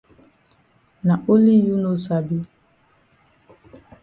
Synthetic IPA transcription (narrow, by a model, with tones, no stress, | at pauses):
na˨ʔo˦li˦ju˦no˦sa˨bi˦